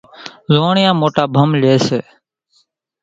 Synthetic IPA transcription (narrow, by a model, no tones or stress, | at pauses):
zoːɳɪjãːmoːʈaːbʱəmleːseː